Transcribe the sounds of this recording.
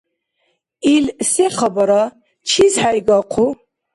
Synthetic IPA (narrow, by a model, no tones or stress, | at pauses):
ilseχɐbɐɾa | t͡ʃʰizħajɡaqʷʰu